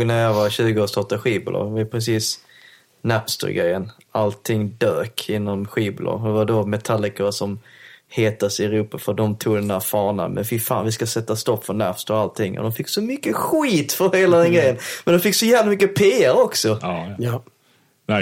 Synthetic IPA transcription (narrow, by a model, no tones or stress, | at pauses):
ɡnæɾjɑvaɕʉ̟ːɡəoːst̪ɑʈad̪əɧiːblʔo̰vapʰɾɛs̬iːs | næpst̪ə̰ɾɡɾɛ̰jːən | ʔalt̪ʰːɪŋd̪øːkʰɪnːɔmɧiːblo̰d̪ɛvaɖomɛt̪ʰalːɪkəsɔmheːt̪əsɪɾuːpafœdɔmt̪ʰuːɡd̪ɛnd̪æɾfɑːɳa̰mʔɛ̰nfɪfa̰ːnvɪskasɛt̪ːast̪ɔpːfœnæ̰pst̪əɾalt̪ʰɪŋːʔɔ̰d̪ɔmfɪkːsɔmʏkːəxiːt̪fœɾheːlad̪ɛnɡɾɛjːənmɛnd̪ɔmfɪkːsɔjæːvlamʏkːəpʰeːæɾɔksɔ